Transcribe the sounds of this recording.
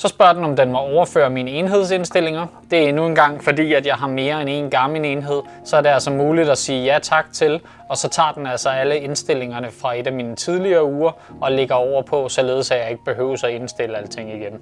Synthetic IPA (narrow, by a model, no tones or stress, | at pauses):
sɒ̽sb̥ɶɐ̰d̥enɒ̽md̥enmɒ̽ɒʊɐfø̰ːɐminəe̝nɦe̝ð̞̰ˠse̝nsd̥e̝l̰e̝ŋɐd̥e̝ænuenɡ̥ɑ̈ŋ̰fɒ̽d̥ḭːæd̥jɑ̈ɪɦɑ̈me̝ːɐene̝̰ːnɡ̥ɑ̈mləne̝nɦe̝ð̞̰ˠ | sɒ̽æɐɾe̝ælsɒmuːlid̥æsiːjæt͡sʰɑ̈ɡ̥̚t͡sʰe̝l | ɒ̽sɒ̽t͡sʰɑ̰̈ːd̥enælsɒ̽æləe̝nsd̥e̝l̰e̝ŋɐnəfʁɑ̈e̝d̥æmiːnət͡sʰið̞ˠliɐːuːɐ | ɒ̽le̝ɡ̥ɐɒʊ̰ɐpʰɒ̽sɒ̽le̝ːð̞̩ˠsæjɑ̈ɪe̝ɡ̥əb̥e̝ɦø̰ːʊsɒe̝nsd̥e̝ləælət͡sʰe̝ŋ̰iɡ̥en